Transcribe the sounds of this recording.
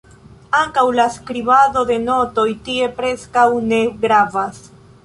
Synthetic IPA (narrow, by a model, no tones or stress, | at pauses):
aŋkawlaskɾiβado̞de̞no̞to̞jtie̞pɾe̞skawne̞ɡɾavas